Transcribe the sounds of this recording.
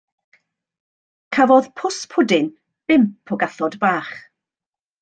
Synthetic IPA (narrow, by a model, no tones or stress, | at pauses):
kʰavɔðpʰʊspʰʊdɪn | b̥ɪmpʰɔɡaθɔdbaːχ